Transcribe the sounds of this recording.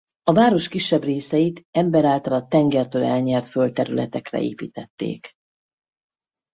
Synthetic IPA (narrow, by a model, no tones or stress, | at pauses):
ɒvaːɾo̞ʃkiʃːɛbreːsɛjit̪ɛmbɛɾaːlt̪ɒlɒt̪ːɛŋɡɛrt̪øːlɛlɲɛrt̪følt̪ɛɾylɛt̪ɛkrɛ̰ḛːpḭːt̪ɛt̪ːḛːk